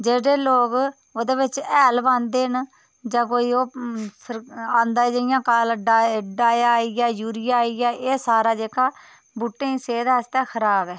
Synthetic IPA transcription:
d͡ʒeːɽeːloːk | oːd̪eːbɪt͡ʃɛːlbãːnd̪eːn | d͡ʒãːk̬oːiːoːsəɾãːnd̪aːd͡ʒeɪjãːkalɖɖaːjaːiɡaːjuːɾɪjaːiɡaːʔeːsaːɾaːd͡ʒeːkaː | buːʈːẽːĩːseːd̪aːst̪ɛ̃ːkʰəɾaːbɛː

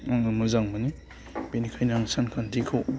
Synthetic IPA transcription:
aŋamuzaŋmani | b̥enikʰajnaŋsankʰandikʰɯw

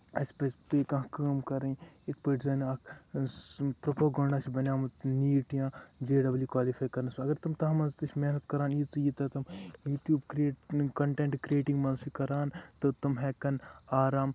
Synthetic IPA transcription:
ɐspɐspeːkɐ̃ɦkaːmkɐɾei | ekpɐʈzaːnak | pɾɐpaːɡɐ̃ːɳɖaːt͡ʃʰibɐnjaːmɐt̪niːʈijãːd͡ʒeːɖɐbljuːkwaːlipʰaːjkɐɾnɐsuɐɡɐɾt̪ɐmt̪ɐɦmɐnst̪ɐt͡ʃʰmenɐt̪kɐɾaːnit̪ujit̪ɐt̪ɐmjuːʈ̪juːbkɾieːʈkɐɳʈẽːɳʈkɾieːʈĩŋɡmɐnsikɐɾaːnt̪ot̪ɐmɦɛːkɐnaːɾaːm

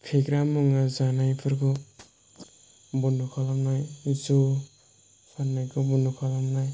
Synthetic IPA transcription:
pʰekɾamuŋad͡zanajpʰʌɾko | bunukʰʌlamnajd͡zo | sʰanːajkobunukʰʌlamnaj

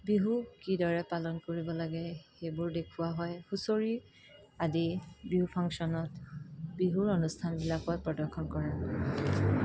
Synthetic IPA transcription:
biɦukidɔɹɛpalɔnkoɹibɔlaɡɛxejbʊɹdekʰuwaɦɔjxusoɹi | adibiɦupʰɔŋksɔnɔtbiɦuɹonustʰanbilapɔt̚pɹɔdɔɹkʰɔnkɔɹa

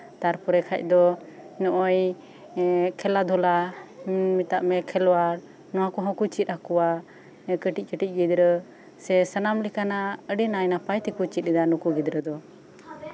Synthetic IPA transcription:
t̪aɾpɔɾɛkʰa̰c̚d̪ɔnɔʔɔj | kʰɛlad̪ʱɔla | mit̪aʔmɛkʰɛlwaɾ | nɔwakuɦɔ̃kut͡ʃit̪̚ˀakɔwa | kəʈic̚ˀkəʈic̚ˀɡid̪ɾə | sɛsənamlikanaəɖinajnapajt̪ɛkut͡ʃit̪̚ɛd̪anukuɡid̪ɾəd̪ɔ

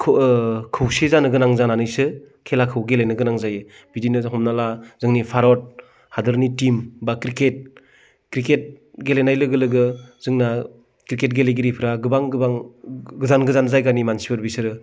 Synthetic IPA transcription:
kʰkʰɯwsezanɯɡɯnaŋzananɯjsɯ | kʰelakʰɯwɡelenɯɡɯnaŋzajɯ | bidinɯɦɔmnalazɯŋnipʰaɾɔt̚ | hadɯɾnitimbakɾiket̚ | kɾiket̚ɡelenajlɯɡɯlɯɡɯzɯŋna | kɾiket̚ɡeleɡiɾipʰɯɾaɡɯbaŋɡɯbaŋɡɯzanɡɯzanzajɡanimansibɯɾbisɯɾɯ

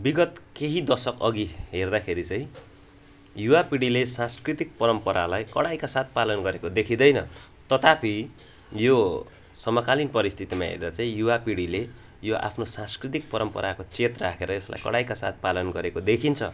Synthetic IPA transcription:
biɡʌt̪keɦid̪ʌsʌkʌ̰ɡiɦerd̪akʰeɾit͡saĩ | juwapiɽilesãnskrit̪ik̚pʌɾʌmpʌɾalajkʌ̰ɽajkasat̪̚ʰpalʌnɡʌɾekod̪ekʰĩd̪ʌjnʌ | t̪ʌt̪apʰi | jo | sʌmʌkalinpʌɾist̪ʰit̪ima̰ɦḛɾd̪at͡saĩjuwapiɽile | joʔa̰pʰnosãnskrit̪̬ik̚pʌɾʌmpʌ̰ɾʔakot͡sʰet̪rʌakʰeɾʌesla̰jkʌ̰ɽajkasa̰t̪̚palʌnɡʌɾekod̪ekʰint͡sʰʌ̰

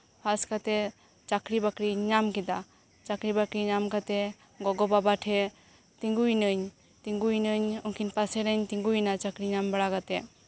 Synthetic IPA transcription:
pʰaskat̪ɛ | t͡ʃakɾibakɾiɲamkid̪a | t͡ʃakɾibakɾiɲamkat̪ɛ | ɡɔɡɔbabaʈʰɛ | t̪iŋɡujnəɲ | t̪iŋɡujnəɲɔŋkinpasɛɾəɲt̪iŋɡujnat͡ʃakɾiɲambaɽakat̪ɛ

